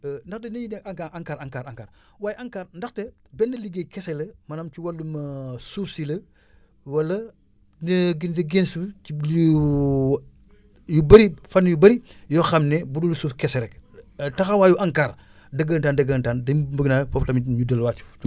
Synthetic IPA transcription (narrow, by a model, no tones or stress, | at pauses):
ndɐxtɛnɐjinɛaŋkaʔaŋkaːɾaŋkaːɾaŋkaːɾ | waːjiʔɐŋkaːɾndɐxtɛ | bɛnːɐliɡekɛsɛlɐmɐnɐmt͡ʃiwɐlːumɐsuːfsilɐ | wɐlːɐ | nɡinteɡensiu | jubɐɾifɐnːjubɐɾijɔxɐmnɛbudulusuːfkɛsɛɾɛktɐxɐwaːjuʔaŋkaːɾ | dɐɡəntaːndɐɡəːntaːndɐbəɡnaːjfɔplɐmɲudɐlwaːti̥